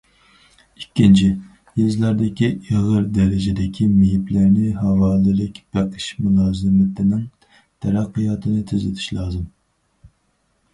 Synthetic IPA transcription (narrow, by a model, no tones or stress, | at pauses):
ikʲːint͡ʃʰi | jezlˠæɾd̪ɪkʲiʔiʁɨɾd̪ɛɾɪd͡ʒɛd̪ɪkʲʰimijiplɪɾnɪɦɑvɑːlˠɨlɪkʲb̥æqʰɨ̥ʃmulˠɑːzɪmɪt̪ʰɪnɪŋ | t̪ʰɛɾæqːɨjɑːt̪ʰɨnɨt̪ʰyzɪt̪ʰy̥ʃlˠɑːzɨm